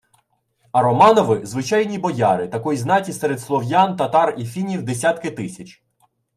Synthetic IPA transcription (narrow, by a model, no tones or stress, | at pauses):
ɐɾɔmɑnɔʋɪzʋɪt͡ʃɑjnʲibɔjɑɾɪt̪ɐkɔjznɑtʲisɛɾed̪slˠɔwjant̪ɐt̪ɑrifʲinʲiwd̪esʲat̪kɪt̪ɪsʲɐt͡ʃʲ